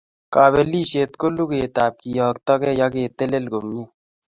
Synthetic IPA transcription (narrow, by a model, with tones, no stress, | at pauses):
kaː˨βe˨liː˦ʃeː˨t̪ko˦lu˦keː˨t̪aː˨p̚ki˨jɔː˨kt̪ɔ˦kɛ˦ja˦keː˨t̪e˦le˦lɡo˨mɲe˦